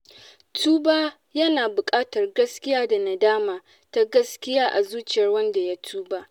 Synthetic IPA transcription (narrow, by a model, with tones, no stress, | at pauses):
tʰuː˦baː˦ | jɐ˦naː˨bʊ˨kʼaː˦tɐ˨rɡɐ˦skʲɪ˦jaː˦da˨na˨daː˦maː˨ | ta˦ɡɐ˦skʲɪ˦jaː˦ʔa˨zuː˦t͡ʃɪ˦˨jɐ˦rwɐ˦nda˨ja˦tʰuː˦ba˦ʔ